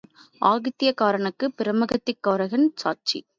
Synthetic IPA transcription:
ʔaːɣɪt̪ːɪjɐkaːɾɐɳɯkːɯpɪɾɐmɐɣɐt̪ːɪkːaːɾɐɣɐnsaːt͡ʃḭ

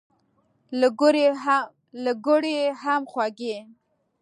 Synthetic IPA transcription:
ɾ | laɡoɽehamxwaɡe

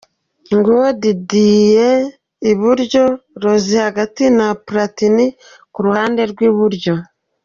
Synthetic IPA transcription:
ŋɡodidiːje | iβuɾɟo̞ɾozihaɡatinapuɾatini | kuɾuhaːnde̞ɾɡwiːβuɾɟo̞

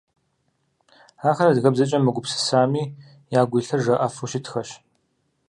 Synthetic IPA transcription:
aːxɐɾɐdɣɐbzɐt͡ʃʼɐmɨɡʷʊpsɨ̥saːmiː | jaːɡʷiːɬɐʐɐʔɐfuʃɪtʰxɐɕ

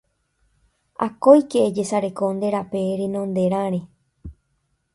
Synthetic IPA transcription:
a̰kojkeːd͡ʒesaɾe̞koond̪e̞ɾapeɾenõnd̪e̞ɾãɾ̃ẽ

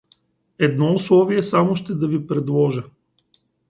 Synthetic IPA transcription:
ɛd̪nɔʊslˠɔviɛsamoʃt̪ɛd̪ɐvipɾɛd̪lˠɔʒə

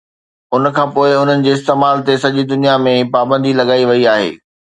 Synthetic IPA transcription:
ʊn̆kʰãːpoːɪʊn̤ənɪ̆d͡ʑeːɪst̪eːmaːlt̪esɐʄid̪ʊnijamẽpaːbə̃nd̪ʱilɐɡaːiʋɐiaːɦḛː

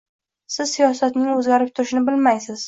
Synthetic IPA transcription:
sɪz̥sijɒsat̪nɪŋɵzɡʲaɾɪp̚t̪ʰʊɾɪʃɪnɪbɪlmajsɪz̥

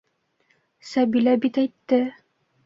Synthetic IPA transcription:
sæbilæbit̪æjt̪ːɘ

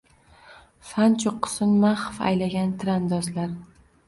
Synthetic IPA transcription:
fant͡ʃʰʊqʰːʊ̥sɪnmaχfa̰jlaɡʲant̪ʰɾand̪ɒzlaɾ

